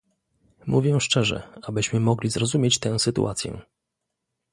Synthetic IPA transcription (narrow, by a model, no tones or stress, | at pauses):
muvʲjɛ̃ʂt͡ʂɛʐɛ̰abɘɕmɘmɔɡlʲizɾɔzumʲjet͡ɕt̪ɛ̃w̃sɘt̪ṵʔat̪sʲjɛ̰